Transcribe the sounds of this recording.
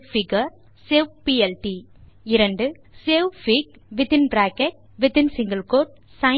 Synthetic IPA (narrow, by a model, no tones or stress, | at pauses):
fɪɡɐɾ | seʋpiɛlʈi | ɪɾɐɳɖɯ | seːʋfiɡ̚ | ʋɪt̪ɪnbɾaːkeʈ̚ | ʋɪt̪ɪnsɪŋɡɐlkoːɾʈ̚ | sɐɪ